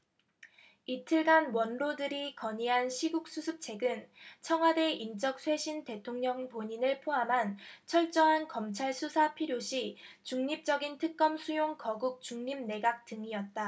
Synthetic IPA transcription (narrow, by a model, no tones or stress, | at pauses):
itʰɯɭɡanwʌnɾodɯɾikʌɲiɦanɕʰiɡuk̚s͈usʰɯp̚t͡ɕʰe̞ɡɯnt͡ɕʰʌŋɦwade̞ʔint͡ɕ͈ʌk̚sʰwe̞ɕʰinte̞tʰoŋɲʌŋpoɲinɯɭpʰoɦamɦant͡ɕʰʌɭt͡ɕ͈ʌɦankʌmt͡ɕʰaɭsʰusʰapʰiɾjoɕʰit͡ɕuŋɲip̚t͡ɕ͈ʌɡintʰɯk̚k͈ʌmsʰujoŋkʌɡuk̚t͡ɕuŋɲimne̞ɡak̚t͈ɯŋiʌt̚t͈a